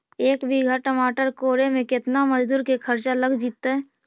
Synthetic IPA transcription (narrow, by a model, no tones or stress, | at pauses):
eːkbʱiɡʱaʈəmaːʈəɾkoːɾemẽkɪt̪naməd͡ʒd̪uːɾkekʰəɾt͡ʃaləɡd͡ʒiːt̪ːaɦɛː